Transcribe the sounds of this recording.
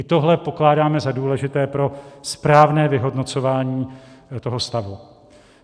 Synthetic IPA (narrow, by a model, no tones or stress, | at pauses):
ɪt̪o̞ɦlɛpo̞klaːdaːmɛzaduːlɛʒɪt̪ɛːpɾo̞spɾaːvnɛːvɪɦo̞dno̞t͡so̞vaːɲiːt̪o̞ɦo̞st̪avu